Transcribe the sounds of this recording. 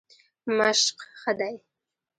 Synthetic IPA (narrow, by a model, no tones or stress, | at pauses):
maʃqχad̪aj